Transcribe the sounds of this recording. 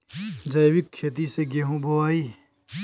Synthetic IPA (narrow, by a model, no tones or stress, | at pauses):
d͡ʒɐjwɪkʰːeːt̪̬iseɡeɦũboaːi